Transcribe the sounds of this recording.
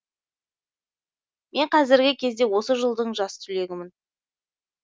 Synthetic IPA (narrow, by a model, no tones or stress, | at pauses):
me̞ɴqʰɑzɪɾɡʲɪkʲʰe̞zd̪e̞wo̞səʒəlˠd̪əɴʒɑst̪ʰʏle̞ɡʲɪmɪn